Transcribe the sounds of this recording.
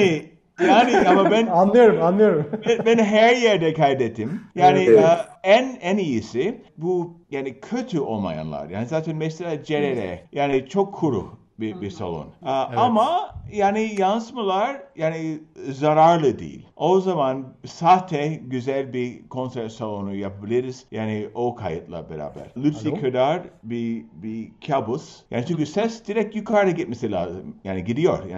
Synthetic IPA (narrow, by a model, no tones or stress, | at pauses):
ni | jaːniamabænanlˠɯjoɾumanlˠɯjoɾumbɛnbænɦæɾjɛɾd̪ɛkʰajd̪et̪ʰːimjaːniænɛnijisɪbujaːnikʰøt̪ʰyo̰lˠma̰ja̰nlˠa̰ɾja̰ːnizaːt̪ʰɛnmɛselʲaːd͡ʒeɾeɾɛ̰jaːnit͡ʃʰokʰːuɾṵ | bibisa̰lˠo̰naamajaːnijansmalˠaɾjaːnizaɾaɾlˠɯd̪ḭːḭlʲʔozamansaːt̪ʰɛɟyzælʲbikʰo̞nsɛɾt̪salˠonujapʰabilʲiɾiz̥jaːniokʰajɯt̪lˠa̰bḛɾa̰ːbæ̰ɾ̥lʲyt̪sikʰɯd̪aɾbibikʰabusja̰ːnit͡ʃʰynɲcysɛsd̪̥iɾɛk̚t̪jykʰaɾɾaɟit̪̚mɛsilʲa̰ːzɯ̰mjaːniɟid̪ijo̞ɾja